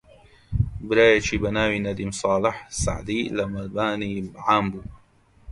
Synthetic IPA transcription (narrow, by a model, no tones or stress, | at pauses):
bɾaːjat͡ʃibanaːwinad̪imsˤɑːlɪħsa̰ʕd̪iːlamalbaːnibʕaːmbu